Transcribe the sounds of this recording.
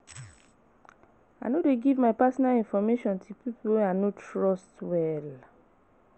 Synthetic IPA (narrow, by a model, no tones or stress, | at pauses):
anodeɡivmaɪpasɔnalĩnfɔmeʃɔ̃ntʰupipuwɛ̃anotɹɔstwɛl